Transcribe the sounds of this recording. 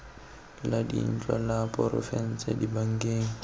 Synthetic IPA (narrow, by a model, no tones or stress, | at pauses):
ladḭn̩t͡ʃʼwalapʼɔɾɔ̰fɛn̩t͡sɛdibaŋ̩kʼeːŋ̩